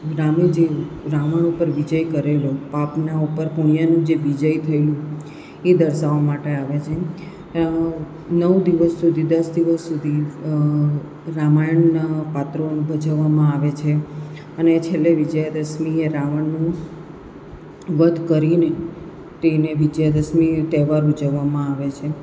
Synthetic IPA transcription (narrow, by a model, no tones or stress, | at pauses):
ɾamed͡ʒe | ɾaʋəɳ̃upəɾʋid͡ʒəjkəɾelopapnaupəɾpuɳ̃ijanũd͡ʒeʋid͡ʒəjt̪ʰəjlũ | ed̪əɾsaomaʈeaʋet͡ʃʰe | nəʋd̪iʋəsːud̪ʱid̪əsd̪iʋəsːud̪ʱi | ɾamajəɳːapat̪ɾonũbʱəd͡ʒəʋːamãaʋet͡ʃʰe | ənet͡ʃʰelːeʋid͡ʒəjd̪əsmieɾaʋəɳːũ | ʋəd̪ʱkəɾine | t̪eneʋɪd͡ʒjad̪əsmit̪ɛʋaɾud͡ʒəʋːamãaʋet͡ʃʰe